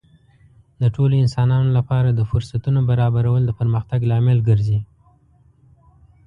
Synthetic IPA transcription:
d̪əʈʰoloɪnsɑnɑnolapɑɾad̪əfʊɾsat̪unobaɾɑbaɾawəld̪əpəɾməxt̪aɡlɑmɪlɡəɾzi

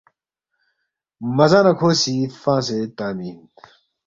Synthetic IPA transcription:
mɐzãːnɐkʰoːsifãːset̪aːmiːn

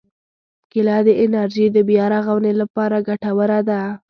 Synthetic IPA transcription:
kɪlɑd̪əʔɪnaɾʒid̪əbjɑɾaɣawnelapɑɾaɡaʈawəɾad̪a

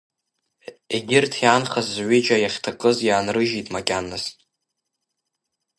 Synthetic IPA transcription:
eɡʲɪrtʰianχazːʕʷid͡ʒajaχʲtʰakʼɨzjaːnrɨʒitʼmakʲʼanːas

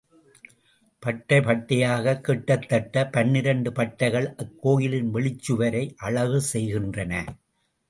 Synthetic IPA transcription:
pɐʈːɐɪpɐʈːɐjaːɣɐkːɪʈːɐt̪ːɐʈːɐpɐɳːɪɾɐɳɖɯpɐʈːɐɪɣɐɭʔɐkːoːjɪlɪnʋɛɭɪt͡ʃːɯʋɐɾɐɪʔɐɭɐʋɯsɛjɣɪndrɐnɐ

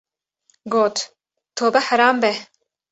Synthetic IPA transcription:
ɡoːt̪ | t̪ʰoːbɛħaɾaːmbɛ

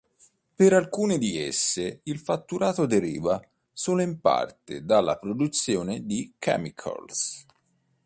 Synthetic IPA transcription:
peɾalkuːned̪iesːeilfat̪ːuɾʔaːt̪od̪eɾḭːva | soːloimpa̰rt̪ḛd̪alːa̰pɾod̪ut̪sːjoːned̪ikʰɛ̰mikʰo̰ls

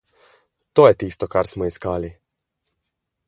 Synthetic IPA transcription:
t̪oːjɛt̪iːst̪ɔkaɾsmɔiskaːli

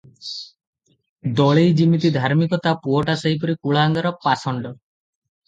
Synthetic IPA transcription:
d̪ɔɭejd͡ʒimit̪id̪ʱaɾmikɔt̪apuɔʈasəɦip̬ɔɾikuɭaːŋɡaɾɔpasɔɳɖɔ

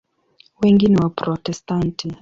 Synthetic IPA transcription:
wɛŋɡiniwapɾɔtɛstanti

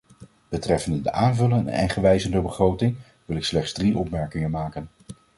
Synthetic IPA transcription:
b̥ətrɛfəndədəʔaːnvɵlənɛ̰nχəʋɛjzəndəbəχrowtɪŋ | ʋɪlɪkslɛχtz̥driʔɔpmɛɹkɪŋənmaːkən

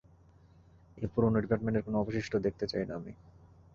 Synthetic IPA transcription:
epuɾonoɖipaɾʈmẽɳʈeɾkonoɔboʃiʃʈʰod̪ek̚ʰt̪et͡ɕajnaami

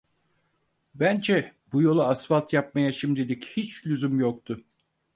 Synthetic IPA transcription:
bænd͡ʒɛbujo̞lˠaːsfalˠt̪jap̚majaʃimd̪id̪ichit͡ʃlʲyzymjok̚t̪ʰʊ

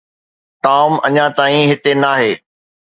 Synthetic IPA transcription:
ʈaːmɐɲãt̪aːĩɦɪt̪enaːɦeː

